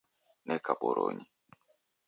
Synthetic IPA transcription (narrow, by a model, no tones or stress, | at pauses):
nɛkaboɾo̰ɲi